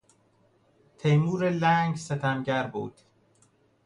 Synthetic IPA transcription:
t̪ʰejmuːɾelæːŋɡset̪ʰæmɟæɾbṵːd̪̥

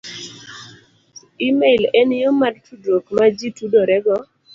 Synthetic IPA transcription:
imelɛnjomadtudokmad͡ʒitudoɾɛɡɔ

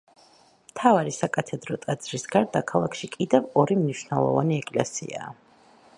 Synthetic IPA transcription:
mt̪ʰavaɾisakʼat̪ʰɛd̪ɾɔt̪ʼad̪z̥ɾisɡaɾd̪akʰalˠakʰʃikʼid̪ɛvɔɾimniʃwnɛlˠɔ̰va̰niɛkʼlɛsḭa̰ː

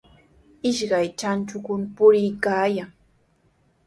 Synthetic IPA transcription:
ɪʃɢɑjt͡ʃant͡ʃʊkʊnpʊɾɪjkaːjaŋ

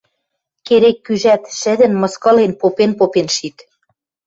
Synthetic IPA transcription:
keɾekːyʒæt̪ʃɘ̆d̪ɘ̆nmɤ̆skɤ̆lenpopenpopenʃit̪

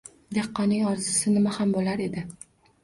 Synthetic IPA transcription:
d̪eqːɒnɪŋɒɾzɪsɪnɪmahambolaɾe̞d̪ɪ

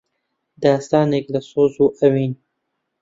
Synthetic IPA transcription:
d̪ɑːst̪aːneːklɐsoːzuːʔɐwiːn

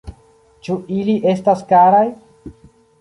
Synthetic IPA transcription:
t͡ʃuʔiliʔe̞staskaɾaj

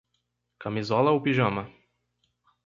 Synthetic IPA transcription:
kamizɔlɐʊpiʒɐ̃mɐ

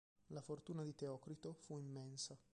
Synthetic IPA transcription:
lafort̪uːnad̪it̪eɔːkɾit̪ofuimːɛnsa

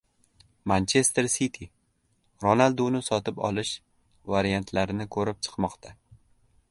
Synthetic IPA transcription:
mant͡ʃʰe̞st̪eɾsit̪ʰi | ɾonalˠd̪unɪsɒt̪ʰɪpɒ̰lˠɪʃ | vaɾijant̪ʰlaɾɪnɪkʰɵɾɪp̚t͡ʃʰɨ̥qmɒqt̪ʰa

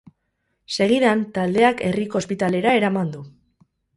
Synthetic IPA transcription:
se̞ɣ̞iðant̪ald̪e̞ake̞riko̞ːspit̪ale̞ɾae̞ɾamand̪u

